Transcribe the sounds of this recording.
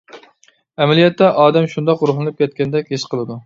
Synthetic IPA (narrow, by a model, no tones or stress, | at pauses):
ɛmɛlijɛt̪ːɛʔɑːd̪ɛmʃund̪ɑquɾʊχlˠɨnɨp̚kʲɛt̪kʲɛnd̪ɛkʲheʃqʰəlˠɨd̪u